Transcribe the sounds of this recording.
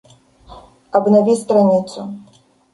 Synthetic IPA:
ɐbnavʲist̪ɾanʲit̪su

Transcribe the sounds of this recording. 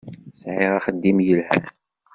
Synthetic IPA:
sʕɪʁaχəd̪ːimjəlhæ̰

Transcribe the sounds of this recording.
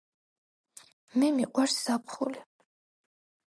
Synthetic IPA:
mɛmiqʼwaɾssapχuli

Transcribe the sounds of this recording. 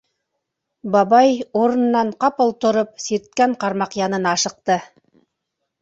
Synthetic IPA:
bɑβɑjoɾɤ̆nːɑɴqɑpŏlˠt̪ŏɾop̚siɾt̪̚kæɴqɑɾmɑqjɑnɤnɑʃɤ̆q̚t̪ɤ

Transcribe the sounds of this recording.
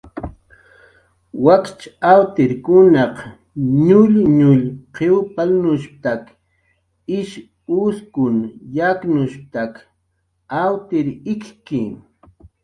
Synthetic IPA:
wakt͡ʃawt̪ɪɾkʊnɑq | ɲʊʎɲʊʎqʰewpalnʊʃp̚t̪ak | ɪʃ | ʊskʊnjaknʊʃp̚t̪ak | awt̪ɪɾɪkkɪ

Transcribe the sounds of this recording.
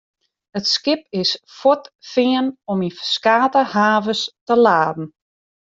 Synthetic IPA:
ətskɪpɪsfotfɪənɔmifə̥skaːtəhaːvəstəlaːdn̩

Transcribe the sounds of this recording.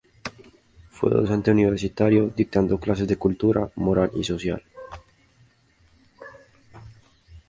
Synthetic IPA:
fwḛðo̰sent̪euniβeɾsit̪aɾjod̪ik̚t̪and̪oklasezðekult̪uɾamoɾalisosja̰l

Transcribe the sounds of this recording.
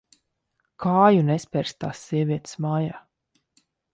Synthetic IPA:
kʰaːjunɛspʲɛɾst̪aːsːiɛvʲiɛt̪smaːjaː

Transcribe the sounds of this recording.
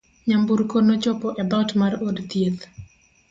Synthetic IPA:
ɲambuɾkonot͡ʃɔpɔʔɛbaʊtmarodt̪jet̪

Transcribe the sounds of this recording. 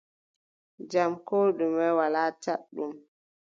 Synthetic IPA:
d͡ʒamkoːɗumɛwalaːt͡ʃaɗːum

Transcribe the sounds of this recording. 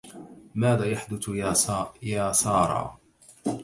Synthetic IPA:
maːðaːjaħd̪ʊθ | jaːsɑːɾˤɑ̰ː

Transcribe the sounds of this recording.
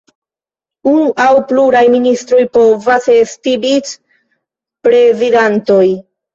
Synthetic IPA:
unuʔawpluɾajministɾo̞jpo̞vasestibit͡s | pɾe̞zidanto̞j

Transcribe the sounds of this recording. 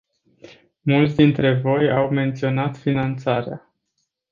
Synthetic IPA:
mult̪sd̪int̪ɾe̞vo̞jawme̞nt̪sio̞nat̪finant̪saɾea̰

